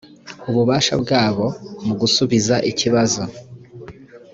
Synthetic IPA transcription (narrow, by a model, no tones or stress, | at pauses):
uβuβaːʃa̰bɡaːβo̞muɡusuβizaʔiciβazo